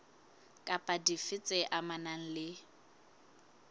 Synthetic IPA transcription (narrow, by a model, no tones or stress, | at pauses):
kʼapʼadifɪt͡sʼɛʔamanaŋ̩lɪ